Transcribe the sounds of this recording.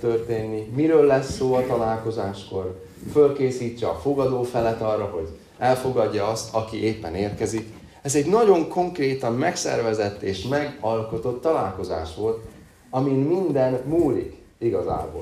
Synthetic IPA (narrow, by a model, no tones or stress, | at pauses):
t̪ørt̪eːnːimiɾøːlːɛsːoːɒt̪ɒlaːlko̞zaːʃko̞r | følkeːsiːt͡ʃːɛɒfo̞ɡɒd̪oːfɛlɛt̪ɒrːɒɦo̞ɟ | ɛlfo̞ɡɒdːɒɒst̪ʰɒkiʔeːpːɛneːrkɛzik | ɛzɛɟnɒɟo̞ŋko̞ŋkreːt̪ɒmmɛksɛ̰rvɛzɛt̪ːeːʃmɛɡɒlko̞t̪o̞t̪ːɒlaːlko̞za̰ːʃʋo̞lt̪ | ɒminmind̪ɛnmuːlḭk | iɡɒza̰ːbo̰